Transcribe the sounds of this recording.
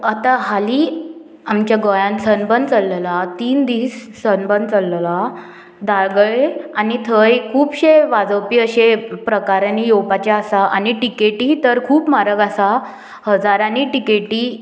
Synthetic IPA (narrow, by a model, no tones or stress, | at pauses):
at̪aɦaliː | amt͡ɕjaɡɔjãnsənbənt͡səlːəlat̪iːnd̪iːs | sənbənt͡səlːla | d̪aɡɭeanit̪ʰəjkʰuːbɕeʋad͡zəwpiːəɕepɾəkaɾjanijowpat͡ɕaːsaʔaniʈikeʈiːt̪əɾkʰuːpmaɾəɡasa | həd͡zaɾaniːʈikeʈiː